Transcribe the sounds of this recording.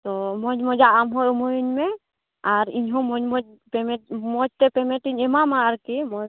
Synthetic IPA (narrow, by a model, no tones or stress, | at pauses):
t̪ɔmɔd͡ʒmɔd͡ʒaamɦɔjɔmɔjiɲmɛ | aɾiɲɦɔ̃mɔd͡ʒmɔd͡ʒ | pɛmɛmɔd͡ʒt̪ɛpɛmɛʈiɲɛmamaːɾkimɔ